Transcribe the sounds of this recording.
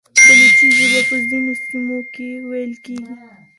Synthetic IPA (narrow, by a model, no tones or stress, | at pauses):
d̪əlisizibapəzinosimokewajəlkeɡi